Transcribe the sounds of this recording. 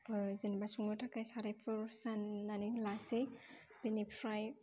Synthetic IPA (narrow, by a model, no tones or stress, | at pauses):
zinbasuŋɯtʰakajsaɾajpʰɯɾsanːanilasej | pinipʰɾaj